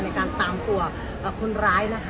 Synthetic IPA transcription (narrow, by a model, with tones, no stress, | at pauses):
na˧jkaː˧nt̪aː˧mt̪u˧ɐ | ʔəː˨˩kʰu˧nɾaː˦˥jna˦˥kʰ